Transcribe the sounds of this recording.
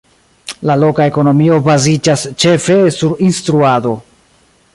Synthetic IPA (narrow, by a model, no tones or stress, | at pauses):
lalo̞kae̞ko̞no̞mio̞bazid͡ʒast͡ʃe̞fe̞suɾinstɾuado̞